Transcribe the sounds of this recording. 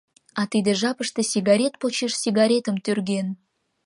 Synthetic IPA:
ɑt̪id̪ĕʒɑpəʃt̪esʲiɡɑɾʲet̪̚pot͡ɕeʃsiɡɑɾʲet̪əmt̪ørɡen

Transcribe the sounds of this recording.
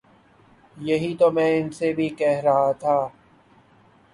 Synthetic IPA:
jɐɦit̪omɛ̃ːɪnsebʱikɛɦɾɐɦat̪ʰaː

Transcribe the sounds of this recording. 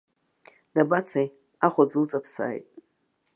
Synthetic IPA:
d̥abat͡sʰaj | aχʷazlt͡sʼapʰsa̰ːjtʼ

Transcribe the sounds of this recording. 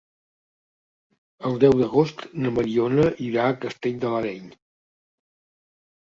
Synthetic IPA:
əlˠd̪ɛwd̪əɣost̪nəməɾionəʔiɾaːkəst̪eʎʲd̪ələɾɛʎ

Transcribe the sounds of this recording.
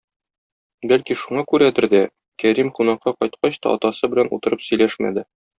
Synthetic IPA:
bælkiʃuɴɑkʉɾæd̪ɘɾd̪æ | kæɾimqunɑqːɑqɒjt̪̚qɑɕt̪ɑ̰ɒ̰t̪ɑsɤbɘ̆lænṵt̪ɤ̆ɾɤpsɵ̆jlæʃmæ̰d̪ɘ

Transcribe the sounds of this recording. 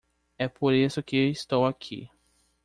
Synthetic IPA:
ɛpoɾisʊkɪewist̪owakʰḭ

